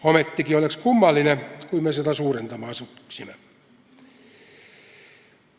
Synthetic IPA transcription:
omet̪ːikiolekskumːɑlːinekuimmeset̪æsuːrent̪ɑmɑːsusime

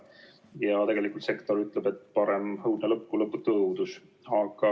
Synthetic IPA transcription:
jɑt̪e̞ɡe̞likːˑult̪se̞kt̪o̞ɾyt̪lebe̞t̪ːpɑɾemhɤwd̪̥nelɤpːulɤpːut̪ɤwd̪us | ɑɡ̥ɑ

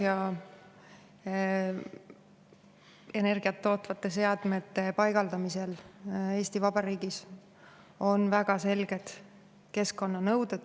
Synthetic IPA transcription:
jɑ | e̞ne̞rɡ̥iɑt̪ːo̞ːt̪ːˑvɑt̪ːˑe̞s̬e̞ɑd̪̥me̞t̪ːe̞pɑjɡ̥ɑld̪ɑmise̞le̞ːst̪ivɑb̥ɑɾiːɡ̥is | o̞nvæɡ̥ɑse̞lɡ̥e̞t̪ | ke̞skːo̞nːɑnɤwd̪ud̪̥

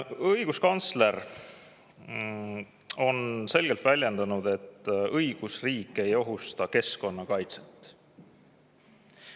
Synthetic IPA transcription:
ɤjɡ̥uskɑnt̪sle̞ɾ | o̞nse̞lɡ̥e̞lt̪vælʲje̞nd̪ɑnud̪e̞t̪ːˑɤjɡ̥usriːkːˑe̞jo̞ɦust̪ɑke̞sko̞nːɑkɑjt̪se̥t̪ːˑ

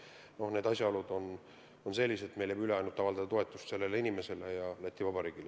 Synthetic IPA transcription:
no̞hne̞ːd̪ɑsʲjɑolud̪̥o̞n | onse̞lʲːiset̪me̞jlebyle̞ɑjnud̪̥̚t̪ɑvɑld̪ɑd̪̥ɑt̪oe̞t̪ːˑust̪se̞lːe̞leinʲime̞se̞le̞jɑlæt̪ːˑivɑbɑɾiːɡ̥ile

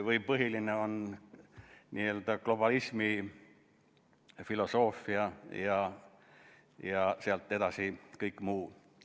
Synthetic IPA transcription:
vɯjpɤɦilineo̞n | niːe̞ld̪̥ɑklo̞b̥ɑlismi | filo̞so̞ːfːˑiɑjɑ | jɑseɑlt̪ːˑe̞d̪̥ɑsikɤjkːˑmuː

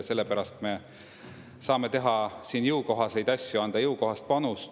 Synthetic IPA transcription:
se̞lːe̞pæɾɑst̪me̞ | sɑːme̞t̪e̞ɦɑsiːnjɯwko̞ɦɑse̞jd̪ɑsʲjuɑnd̪̥ɑjɤwko̞ɦɑst̪pɑnus

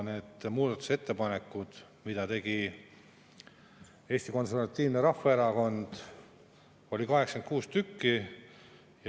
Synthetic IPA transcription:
ne̞d̪̥muːd̪̥ɑt̪ːˑu̥se̞t̪ːe̞pɑne̞kːˑud̪̥ | mid̪̥ɑt̪e̞ɡ̥i | e̞ːst̪iko̞nservɑt̪ʲːˑiːvneɾɑfːeeɾɑko̞nd̪̥ | o̞lʲikɑɦeksɑ̥ken̚kuːst̪ykːi | j

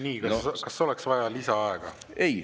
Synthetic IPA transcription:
niːkɑkɑsːo̞lɛksvɑjɑlisɑɑeɡ̥ɑ̰ | ej

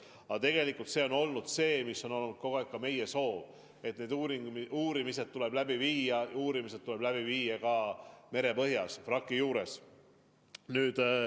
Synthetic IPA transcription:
ɑt̪e̞ɡe̞likːˑult̪se̞o̞no̞lnud̪̥se̞ːmisːo̞no̞lnud̥̪̚ko̞ɡ̥oikːɑme̞jeso̞ːv | e̞t̪ne̞ːd̪uɾiuːɾimise̞d̪̚t̪ule̞b̥læbiviːjɑuːɾimise̥t̪ule̞b̥læb̥iviːjɑkɑme̞ɾe̞pɤɦjɑsfrɑkːˑijuːɾe̞s | nyːd̪̥

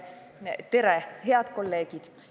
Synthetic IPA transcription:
t̪eɾeɦeɑd̪kolːeːɡ̥id̪̥

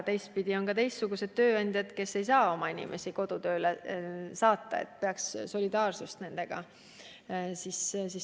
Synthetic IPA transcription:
t̪e̞jst̪̚pid̪̥ʲio̞nkɑt̪e̞jst̪suɡ̥use̞d̪̥̚t̪ø̞ːɑnʲd̪̥ʲjɑd̪̥ke̞sːe̞jsɑːo̞mɑinʲḭmʔesiko̞d̪̥ut̪ø̞ːlesɑːt̪ːˑɑ̰ḛt̪̚ːˑpe̞ɑksso̞lʲid̪̥ɑːrsust̪ne̞nd̪̥e̞ɡ̥ɑ̰ | sissi

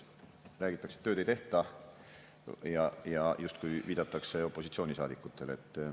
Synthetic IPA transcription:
ræːɡ̥it̪ːˑɑkse̥t̪ːøːd̪et̪e̞ht̪ɑ | jɑjɑjust̪̚kujviːd̪ɑt̪ːˑɑkse̞o̞pːˑo̞sit̪sio̞ːnʲisɑːd̪ikːˑut̪ːˑe̞le̞̰t̪ːˑ

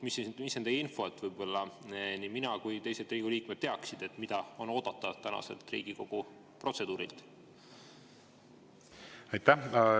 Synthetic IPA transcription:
mismisːed̪̥ejinfo̞et̪ːˑvɯjbo̞lːɑniminɑkujt̪e̞jset̪riːɡ̥uliːkmet̪̚ːeɑksid̪̥e̞t̪ːmid̪̥ɑo̞no̞ːd̪̥ɑt̪ːˑɑt̪ænɑ̰se̞̰lt̪rḭːɡ̥iko̞ɡ̥u | pro̞t̪se̞d̪̥uːɾilt̪ | ɑjt̪ːæ

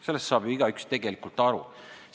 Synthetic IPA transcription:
se̞lːest̪sɑːb̥iiɡ̥ɑykst̪e̞ɡe̞likult̪ˑɑɾṵ

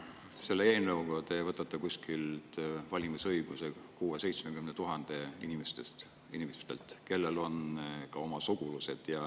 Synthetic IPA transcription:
se̞lːeeːnːeuɡot̪ːˑejvɤt̪ːˑɑt̪ːˑɑkusʲkilt̪vɑlʲimisɤjɡ̥usekuːese̞jt̪smekymnet̪uɦɑnd̪̥e̞inimest̪est̪ | inimest̪e̞̰lt̪ˑke̞lːe̞lo̞nkɑo̞mɑsuɡ̥uluse̞d̪̥jɑ

